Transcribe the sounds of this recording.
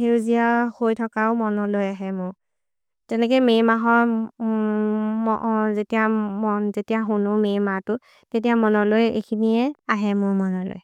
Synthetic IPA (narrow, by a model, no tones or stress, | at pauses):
hewzijahojtʰɔkaʊmɔnɔlojaɦɛmʊɹ | tɛnɛk̬ojmejmaɦɔɹ | mzetiamɔnzetijaɦunʊmejmatʊ | tetijamɔnɔlojḛkʰiniɛaɦɛmʊɹmɔnɔlo̰j